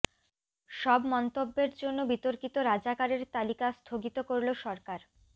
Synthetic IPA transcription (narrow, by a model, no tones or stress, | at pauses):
ʃɔbmɔnt̪obːeɾd͡ʑonːobit̪oɾkit̪oɾad͡ʑakaɾeɾt̪alikast̪ʰoɡit̪okoɾloʃɔɾkaɾ